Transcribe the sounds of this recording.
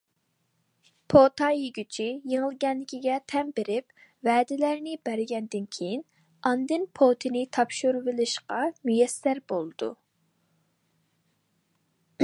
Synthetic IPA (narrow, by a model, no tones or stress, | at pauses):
pʰot̪ʰɑjiɡʲyt͡ʃʰijeŋəlˠɡʲɛnlɪkʲʰiɡʲɛt̪ʰɛmbɪɾɪp̚vɛːd̪ɪlæɾnɪbæɾɪɡʲɛnd̪ɪnkʲʰejin | ɑnd̪ɨnpʰot̪ʰɪnɪt̪ʰɑpʃuɾvɨlɨʃqɑmyjɛsːæɾbolˠɨd̪̥ṵ